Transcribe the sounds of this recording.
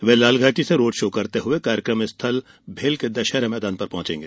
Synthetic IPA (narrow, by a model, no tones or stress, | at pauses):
ʋelaːlɡʱaːʈiseɾoːɖʃoːkɐɾt̪eɦʊekaːɾjəkɾəmɪst̪ʰəl | bʱeːlked̪ɐʃɛɾmɛːd̪aːnpɐɾpɔ̃ɦt͡ʃḛ̃ːŋɡeː